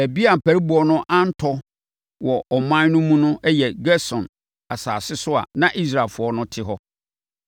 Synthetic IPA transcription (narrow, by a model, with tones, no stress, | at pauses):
æ˨bi˦a˨m̩˨pʰæ˨ɾi˦bʊ˨ɔ˦nʊ̃˦ʔã˦n̩˦tʰɔ˦ | wɔ˨ʔɔ˨mã˦nʊ̃˦mũ˦nʊ̃˦ʔɛ˦jɛ˨ɡɛ˦sɔ̃˨n | a˨saː˨sɪ˦sʊ˦a̰˨nã˦˨ʔi˦s̬ɾa˨lfʊ˨ɔ˦nʊ̃˦tʰɪ˦ɦɔ˦